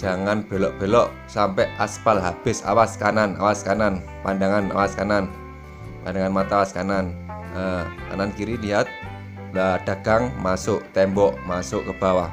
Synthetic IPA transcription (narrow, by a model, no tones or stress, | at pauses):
d͡ʒ̥a̤ŋanb̥e̤lɔʔb̥e̤lɔʔ | sampɛʔaspalɦab̥ɪsa̰waskanana̰waskanan | pandaŋana̰waskanan | pa̰ndaŋanmat̪awaskanan | əka̰nankiɾilijat̪̚ | aɖ̥a̤ɡ̥aŋmasʊʔt̪ɛmbɔʔmasʊʔkəb̥a̤wah